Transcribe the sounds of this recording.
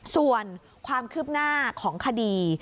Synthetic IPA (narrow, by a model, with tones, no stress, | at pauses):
su˨˩ən | kʰwaː˧mkʰɯː˥˩p̚naː˥˩kʰɔː˩˦ŋkʰa˧diː˧